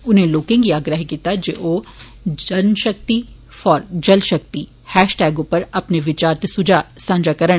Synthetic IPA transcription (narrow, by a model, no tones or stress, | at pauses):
ʊnẽloːkɪ̃ŋɡiaːɡɾəɦkiːt̪ad͡ʒḛʔoː | d͡ʒənʃək̚t̪i | fɔːɾd͡ʒəlʃək̚t̪iː | hɛːʃʈɛːɡʊpəɾɐpneʋɪt͡ʃaːɾt̪esʊd͡ʒaːsãːmd͡ʒaːkəɾəɽ̃